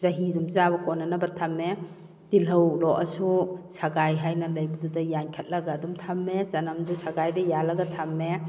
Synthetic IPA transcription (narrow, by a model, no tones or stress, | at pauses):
zɐɦidumzabɐkɔnːɐnɐbɐtʰamːe | d̥ilɐwlɔʔɐsusaɡajɦajnɐlɐjbɐdudɐjaŋkʰat̚lɐɡaːdumtʰamːezɐnɐmzusaɡajdɐjalɐɡɐtʰamːe